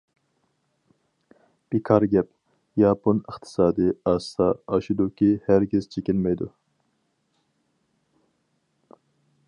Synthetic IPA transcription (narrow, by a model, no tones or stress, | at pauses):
b̥ikʰɑɾɡʲɛp̚ | jɑːponəχt̪ʰɪ̥sɑːd̪iɑːst̪ɑɑʃud̪ukʲʰihæɾkʲɪz̥t͡ʃʰekʲinmɛjd̪ṵ